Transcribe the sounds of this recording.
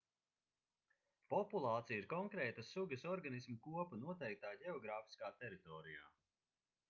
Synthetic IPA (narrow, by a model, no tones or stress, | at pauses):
pɔpulˠaːt̪sijiɾkɔŋkɾɛːt̪ɐsuɡɐsɔɾɡanismukuɔpanuɔt̪ɛjk̚t̪aːɟɛɔɡɾaːfi̥skaːt̪ɛɾit̪ɔːɾija̰ː